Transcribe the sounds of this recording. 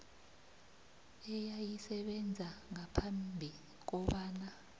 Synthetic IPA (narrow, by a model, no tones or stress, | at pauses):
ɛjajisɛɓɛnd͡zʱaŋapʰambʱi | k̬ɔɓaːna